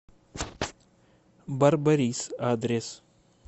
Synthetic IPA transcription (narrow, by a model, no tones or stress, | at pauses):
bɐɾbəɾiːsaːd̪ɾes